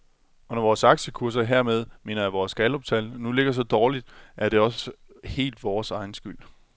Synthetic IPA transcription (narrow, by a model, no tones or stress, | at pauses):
ɒ̽nɒʋɒːsɑ̈ɡ̥ɕəkʰuɐ̰s̬ɐɦeɐ̰með̞ˠme̝̰ːnɐjæʋɒːsɡ̥ælɒ̽b̥̚t͡sʰælnule̝ɡ̥ɐs̬ɒ̽d̥ɒːlid̥ʔæɐd̥e̝ɒ̽s | he̝̰ːld̥ʋɒːsɑ̈ɪn̩sɡ̥yl̰